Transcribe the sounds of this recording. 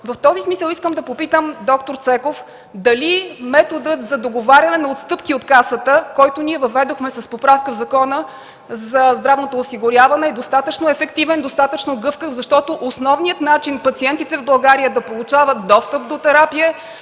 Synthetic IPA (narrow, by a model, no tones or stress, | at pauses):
vɐft̪ɔzismisəlˠiskəmd̪ɐpopit̪əmd̪ɔkt̪oɾt̪sɛkof | d̪ɐlimɛt̪od̪ət̪zɐd̪oɡovaɾʲjɐnɛnɐot̪st̪ɤpkiot̪kasət̪əkɔjt̪ʊniɛvɐvɛd̪oxmɛsɐspopɾafkəvzɐkɔnə | zɐzd̪ɾavnot̪oːsiɡʊɾʲjavɐnɛːd̪ost̪at̪ət͡ʃnoɛfɛkt̪ivɛnd̪ost̪at̪ət͡ʃnoɡɤfkəvzɐʃt̪ɔt̪oʔosnɔvnijət̪nat͡ʃinpɐt̪siɛnt̪it̪ɛvbɐlˠɡaɾijəd̪ɐpolˠut͡ʃavət̪̚d̪ɔst̪əp̚d̪ot̪ɛɾapiə